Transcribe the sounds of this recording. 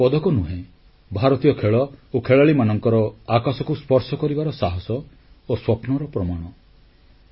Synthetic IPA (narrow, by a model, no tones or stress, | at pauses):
pɔd̪ʱɔkɔnuɦẽ | bʱaɾɔt̪ijɔkʰeɭɔokʰeɭaɭimanɔŋkɔɾɔakasɔkuspɔɾsɔkɔɾibaɾɔsaɦɔsɔ | oswɔpnɔɾɔpɾɔmaɽ̃ɔ